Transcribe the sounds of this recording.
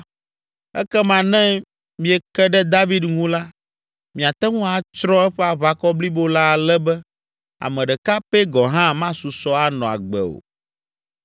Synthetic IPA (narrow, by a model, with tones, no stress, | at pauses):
ɛ̰˦kɛ˦mã˨nɛ̃˦ | mĩ˨ɛ˨kɛ˦ɖɛ˦d̪a˦vi˦d̪ŋũ˦la˦ | mĩ˨a˨t̪ɛ˦ŋũ˦a˨˦t͡ʃɾɔ̃˦ɛ˦ɸɛ˦a˨βa˨kɔ˦bli˦bo˦la˦˨lɛ˦bɛ˦ | a̰˨mɛ̃˨ɖɛ˨ka˦pɛ˦ɡɔ˨ɦã˦mã˦su˨sɔ˦a˦nɔ̃˨a̰˨ɡ͡bɛ̰˨o̰˨